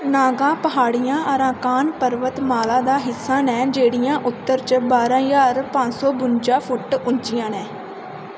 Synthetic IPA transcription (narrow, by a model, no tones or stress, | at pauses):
naːɡãːpəɦaːɽɪjãːʔəɾãːkaːnpəɾʋət̪maːlaːd̪aːɦɪsːãːnɛːd͡ʒeːɽɪjãːʔʊt̪ːəɾt͡ʃbaːɾãːjaːɾpãnsɔːbʊnd͡ʒaːpʰʊʈʊnt͡ʃɪjãːnɛ̃ː